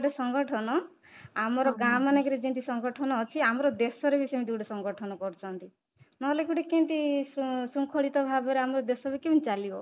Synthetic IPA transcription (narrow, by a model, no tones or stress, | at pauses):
ɽesɔŋɡɔʈʰɔnɔ | amɔɾɔɡamanekɔɾed͡ʒint̪isɔŋɡɔʈʰɔnɔːt͡ʃʰiamɔɾɔd̪esɔɾebisemid̪uɖesɔŋɡɔʈʰɔnɔkɔɾt͡ʃʰɔnt̪i | nɔlekuʈekẽɳʈisusuŋkʰɔɭit̪ɔbʱabɔɾeamɔɾɔd̪esɔbikemnt͡ʃalibɔ